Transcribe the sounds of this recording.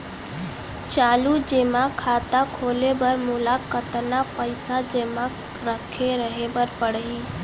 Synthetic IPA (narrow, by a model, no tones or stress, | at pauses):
t͡ʃaːlud͡ʒeːmãkʰaːt̪akʰoːlebəɾmʊlaːkət̪napəɪsad͡ʒeːmã | ɾəkʰeɾəɦebəɾpəɽɦiː